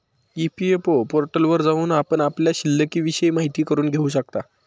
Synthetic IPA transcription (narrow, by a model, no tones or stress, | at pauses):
ipiepopoɾʈəlʋəɾd͡zaʋuːnapəɳapljaɕilːəkiːʋiɕəjmaɦit̪iːkəɾuːnɡʱeuːɕ̬ək̚t̪a